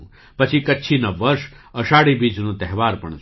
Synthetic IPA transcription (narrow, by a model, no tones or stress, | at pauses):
pɐt͡ʃʰikɐːt͡ʃʰinɐʋɐɾʃ | əʃaːɽibiːd͡ʒnũt̪ɛɦʋaːɾpɐɳ